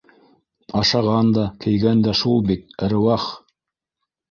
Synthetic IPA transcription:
ɑʃɑʁɑnd̪ɑkʰɘ̆jɡænd̪æʃulˠbit̪̚ɾ̆wɑχ

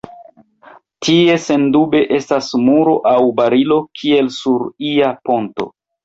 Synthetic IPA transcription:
tie̞se̞ndube̞ʔe̞stasmuɾo̞ʔawbaɾilo̞kʰie̞lsuɾiapo̞nto̞̰

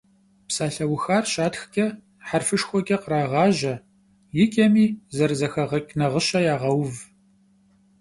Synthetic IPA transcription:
psaːɬɐwʊxaːrɕaːtxkʲʼɐ | ħarfɨʂxʷɔkʲʼɐqəɾaːʁɑːʒɐ | jɪkʲʼɐmiːzɐrzɐxɐʁɐkʲʼnɐʁəɕɐjaːʁɐwv

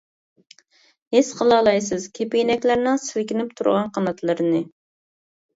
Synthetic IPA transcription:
hesqʰəlˠɑːlˠɑjsɨzkʲʰepɪjinɛkʲlæɾnɪŋsɪlkʲɪnɪp̚t̪ʰuɾʁɑnqʰɑnɑt̪lˠɨɾɨnɨ

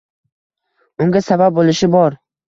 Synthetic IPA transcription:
ʊŋɡʲasabab̚bolɪʃɪbɒɾ

